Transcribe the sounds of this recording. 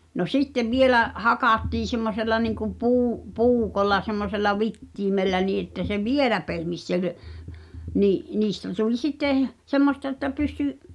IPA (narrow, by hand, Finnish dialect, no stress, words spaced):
no sitːeʋ ʋielæ hɑkɑˑtːiː semːoselːɑ niŋkum puː puːkolːɑ semːoselːɑ ʋitːiːmelːæ niː etːæ se ʋielæ pehmis sel niːʔ niːstæ tulʲ sitːeˑ semːostɑ ĕtːæ pysty